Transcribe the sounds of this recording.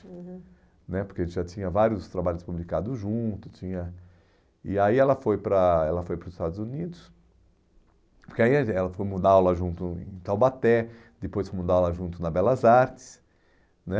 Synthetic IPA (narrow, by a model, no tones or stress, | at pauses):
nɛpoɾkeɐẽtt͡ʃ̪ɪʒat͡ʃĩɲɐvaɾiʊst̪ɾabaʎʊspublikad̪ʊʒũt̪ʊ̥t͡ʃĩɲɐ | iaiɛlɐfojpɾɐɛlɐfojpɾʊzɪst̪ad̪ʊzunid̪ʊs | poɾkeaiɛlɐfojmũd̪alaʒũnt̪ʊḛ̃t̪awbat̪ɛ | d̪epojsfojmũnd̪alaʒũnt̪ʊnɐbɛlɐzaɾt͡ʃɪ̥s | nɛ